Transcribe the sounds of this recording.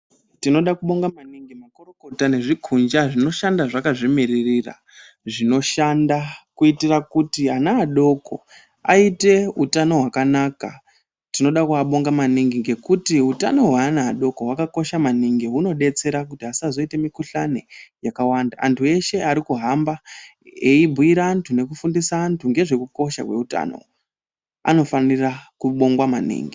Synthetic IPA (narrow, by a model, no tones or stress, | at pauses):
tino̞ɗakuɓo̞ŋɡamaniŋɡimakoroko̞tane̞ʐikʰund͡ʒaʐino̞ʃandaʐakaʐimiririra̰ | ʐino̞ʃandakuitirakutianaːɗo̞ko̞̰ | a̰ite̞utano̞ɦwakanaːka | tino̞ɗakuaɓo̞ŋɡamaniŋɡiŋɡe̞kutiɦuta̰no̞ɦwaːnaːɗo̞ko̞wakako̞ʃamaniŋɡeɦuno̞ɗe̞t͡se̞ɾakutiɦasazo̞ite̞mikuɬanejakawandaʔantʰue̞ʃe̞aɾikuɦamba | eibʱuiɾaːntʰune̞kufundisaːntʰuŋɡe̞ʐe̞kuko̞ʃa̰kwe̞̰uta̰no̞̰ | a̰no̞fanirakuɓo̞ŋɡwamanḭːŋɡi